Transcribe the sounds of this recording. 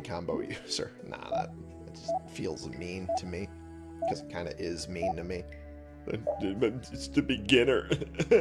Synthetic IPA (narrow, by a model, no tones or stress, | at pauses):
kʰɑ̃mboʊjʉsə̰˞ | nə̰ðæ̰t̚ | ɨt̚d̥ʒ̥ʌst̚filˠzmĩntʰɨmi | kʰʌzɨt̚kʰãɪ̃ndɨʔɪzmĩntɨmi | ðɨ̰ | ɨstɨbɨɡɪ̃nə˞